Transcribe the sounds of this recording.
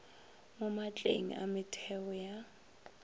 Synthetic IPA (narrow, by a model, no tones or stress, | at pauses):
momat͡ɬʼḛŋ̩ʔa̰mɪtʰɛɔja